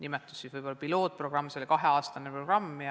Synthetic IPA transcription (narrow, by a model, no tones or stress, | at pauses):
nimɛt̪ːˑusːiːsvɯjbo̞lːɑpilo̞ːt̪̚pro̞ɡ̥rɑmːselikɑɦe̞ɑːst̪ɑnepro̞ɡ̥rɑmː